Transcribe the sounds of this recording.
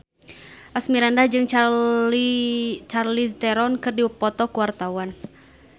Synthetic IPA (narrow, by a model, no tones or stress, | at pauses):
ʔasmiɾandahd͡ʒɨŋ | t͡ʃarlist̪ɛɾɔnkɨrdiwəpːɔt̪ɔkuwart̪awan